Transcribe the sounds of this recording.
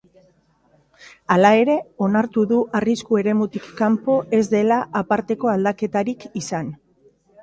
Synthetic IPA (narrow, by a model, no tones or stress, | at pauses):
alae̞ɾe̞o̞naɾt̪uðuʔariskue̞ɾe̞mut̪ikːampo̞ʔe̞zd̪e̞laʔapaɾt̪e̞ko̞ald̪ake̞t̪aɾikisan